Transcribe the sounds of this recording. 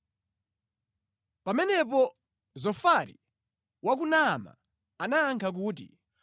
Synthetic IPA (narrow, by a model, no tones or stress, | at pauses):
pamɛnɛp̬ɔ | zɔfaɾi | wak̬unama̰ | anaːŋkʰak̬uːt̬ḭ